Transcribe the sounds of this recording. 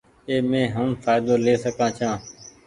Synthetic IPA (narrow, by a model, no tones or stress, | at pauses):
eːmẽːɦəmfʰaːɪd̪oːleːsəkãːt͡ʃʰãː